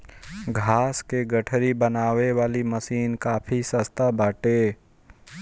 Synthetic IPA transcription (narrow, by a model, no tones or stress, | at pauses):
ɡʱaːskeɡəʈʰɾibənaːʋeʋaːliməsiːnkaːpʰisəst̪ʰabaːʈe